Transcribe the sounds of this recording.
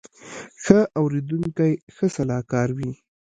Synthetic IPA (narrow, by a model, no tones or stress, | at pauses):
xəʔawɾed̪uŋkajxəsalɑkɑɾwi